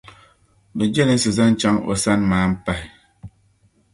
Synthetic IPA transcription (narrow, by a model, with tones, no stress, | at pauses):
bɨ˨d͡ʒɛ˦li˦n̩˦sɨ˨za˦n̩˦t͡ʃa˦ŋo̰˨sa˦nmaː˨˦m̩˦pa˨